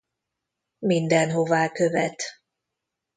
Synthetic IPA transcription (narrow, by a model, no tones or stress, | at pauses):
mind̪ɛnɦo̞vaːkøvɛt̪